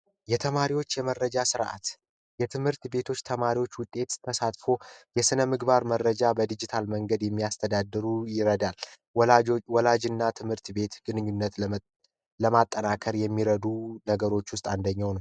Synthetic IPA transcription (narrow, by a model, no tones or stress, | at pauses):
jɛt̪ʰəmaɾiwo̞t͡ʃːjɛmərːəd͡ʒasɨɾʔa̰t̪ | jɛt̪ʰɨmhɨɾt̪be̞t̪ʰo̞t͡ʃːt̪ʰəmaɾiwo̞t͡ʃːwʊt̪ʼːe̞t̪t̪ʰːəsat̪fo̞jɛsɨnəmɨɡbaɾmərːəd͡ʒabəd̪ɨd͡ʒit̪ʰalməŋɡəd̪jɛmːijast̪ʰəd̪ad̪ːɨɾujɪɾəd̪al | wɔlad͡ʒɨnːat̪ʰɨmhɨɾt̪be̞t̪ɡ̥ɨnɨɲːunːət̪ | ləmat̪ʼːənakʰəɾjɛmːiɾəd̪unəɡəɾo̞t͡ʃːwʊst̪ʼand̪əɲːawnə